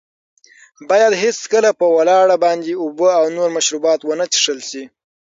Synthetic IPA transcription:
bɑjad̪ɦet͡skəlapəwalɑɽabɑnd̪eubəawnoɾmaʃɾubɑt̪wənət͡ʃi̥ʂəlʃi

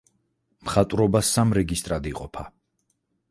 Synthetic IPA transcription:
mχat̪ʼɾɔbasamɾɛɡist̪ʼɾad̪iqʼɔpʰa

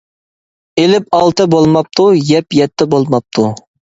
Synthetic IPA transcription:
elɪp̚ɑlˠt̪ɨbolˠmɑp̚t̪ʰujɛpjɛt̪ʰːɛbolˠmɑp̚t̪ʰu

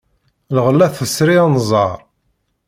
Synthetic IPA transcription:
lʁəlːæθəsɾiænzˤɑɾˤ

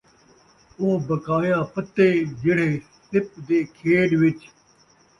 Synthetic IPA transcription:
oːbəkaːjãːpət̪ːeːd͡ʒɪɽ̤eː | sɪp̚d̪eːkʰeːɖʋɪt͡ʃ

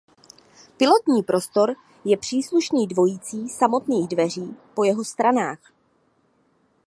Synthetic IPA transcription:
pɪlo̞t̪ɲiːpɾo̞st̪o̞ɾ | jɛpr̥iːsluʃniːdvo̞jiːt͡siːsamo̞t̪niːɣdvɛr̝iːpo̞jɛɦo̞st̪ɾanaːx

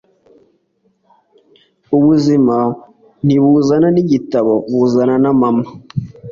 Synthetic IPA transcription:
uβuzima | niβuzananiɟitaβoβuzananamama

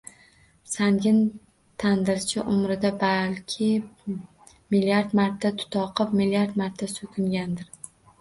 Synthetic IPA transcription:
saŋɡʲɪn | t̪ʰand̪ɪɾt͡ʃʰɪʔʊmɾɪd̪abalkʲʰɪ | miljaɾd̪maɾt̪ʰːat̪ʰʊ̥t̪ʰɒqʰɨpmiljaɾt̪maɾt̪ʰːasɵkʲʰʊŋɡʲand̪ɪɾ

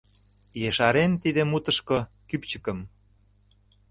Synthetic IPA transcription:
jeʃɑɾent̪id̪emut̪ə̆ʃko | kypt͡ɕəkə̆m

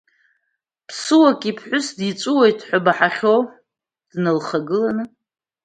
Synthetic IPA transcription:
pʰsɨwakʼipʰħʷʊsdit͡ʃʷʼuwejtʼħʷabaħaχʲow | d̥nɨlχaɡɨlanɨ

